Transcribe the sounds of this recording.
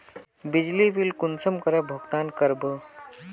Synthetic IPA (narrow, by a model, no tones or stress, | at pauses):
bid͡ʒlibilkunsəmkəɾəbʱəɡt̪aːnkəɾbə